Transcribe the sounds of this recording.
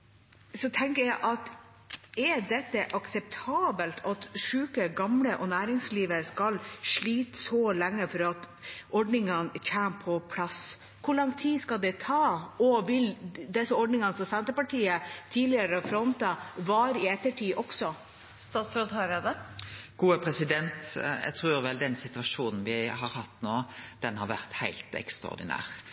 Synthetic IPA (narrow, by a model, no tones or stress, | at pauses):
sɔt̪ʰɛŋkəɾjæɪʔɑt̪ | ɛdɛt̪ːəʔɑksɛp̚t̪ʰɑːbəlt̪ʰɑt̪ʂʉːkəɡɑmləʔɔnæːɾɪŋsliːʋəɾskɑlʂɭiːt̪sɔlæŋːəfɔɾɑt̪ | ʔɔɖnɪŋənçæːnpʰɔpʰlɑs | kʰʊɭɑŋt̪ʰiːskɑld̪ɛt̪ʰɑːɔʋɪld̪ɛsəɔɖnɪŋɑnsɔsɛnt̪əɾpɑʈʰiːət̪ʰiːlɪɑɾəfɾɔnt̪ɑʋɑɾɪɛt̪ːəʈʰiːʔɔksɔ | st̪ɑːt̪sɾod̪hɑɾəd̪əɡ̥uːəpʰɾɛsɪd̪ɛnt̪ɛ̰ɡt̪ʰɾʉːɾʋɛld̪ɛnsɪt̪ʉʋɑʂuːnn̩ʋɪɦɑɾhɑt̪ːnoːd̪̥ɛnhɑɾʋæɾt̪hæɪlt̪ɛ̰kst̪ʁɔ̰ʁd̪ɪ̰næ̰ːʁ